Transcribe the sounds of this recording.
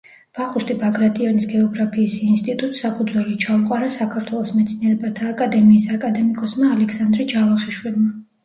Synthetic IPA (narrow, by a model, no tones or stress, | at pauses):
b̥aχuʃt̪ʼibaɡɾat̪ʼiɔnisɡɛɔɡɾapʰiːsinst̪ʼit̪ʼut̪ʼsapʰud̪zwɛlit͡ʃʰauqʼwaɾasakʰaɾt̪ʰwɛlˠɔsmɛt̪sʰniɛɾɛbat̪ʰaːkʼad̪ɛmiːsakʼad̪ɛmikʼɔsmaːlɛkʰsand̪ɾɛd͡ʒavaχiʃwilˠma